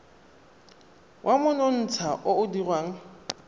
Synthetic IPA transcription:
wʔamʊnon̩t͡sʰaʔʊʊdirwaːŋ̩

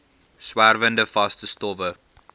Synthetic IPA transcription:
swærvəndəfɐstəstɔvə

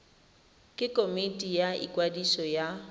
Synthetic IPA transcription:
kʼɪkʼomitʼijaḭkʼwadisɔja

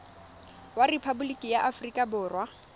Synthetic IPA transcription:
warepʰabulikʼijaʔafrikʼabʊːrwa

